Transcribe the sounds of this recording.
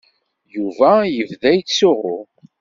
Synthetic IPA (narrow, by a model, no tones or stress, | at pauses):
juvæjəvðæjt͡sːʊʁʊ̰